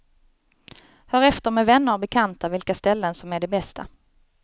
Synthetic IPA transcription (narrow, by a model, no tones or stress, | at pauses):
hœːɾɛft̪əɾmɛvɛnːəɾbɛkʰant̪avɪlkast̪ɛlːənsɔmæɖɛbɛst̪ʰa̰